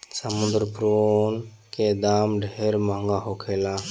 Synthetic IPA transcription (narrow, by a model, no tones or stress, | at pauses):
səmʊ̃nd̪ɾpɾonked̪aːmɖʱeːɾmə̃ŋɡaːɦoːkʰeːlaː